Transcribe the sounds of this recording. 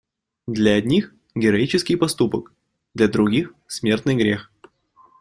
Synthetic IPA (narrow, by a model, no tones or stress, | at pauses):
d̪lʲɐɐd̪ʲnʲix | ɡʲɪɾɐit͡ɕɪskʲɪjpɐst̪upək | d̪lʲɐd̪ɾʊɡʲix | smʲe̞rt̪nɨjɡɾʲex